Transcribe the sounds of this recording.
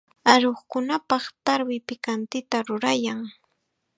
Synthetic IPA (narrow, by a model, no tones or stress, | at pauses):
aɾoχkʊnapɑχt̪aɾwɪpɪkant̪ɪt̪aɾʊɾajaŋ